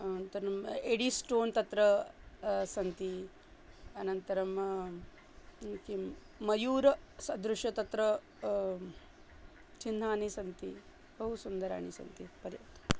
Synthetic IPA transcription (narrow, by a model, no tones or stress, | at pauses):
ɐnɐnt̪ɐɾɐmeɽisʈoːnt̪ɐt̪ɾɐ | sɐnt̪i | ɐnɐnt̪ɐɾɐm | ki | mɐjuːɾɐsɐd̪ɾuʃjɐt̪ɐt̪ɾɐ | t͡ʃinːaːnisɐnt̪i | bɐɦusund̪ɐɾa̰ːɳisɐ̰nt̪ipɐɾjɐ̰t̪ɐ̥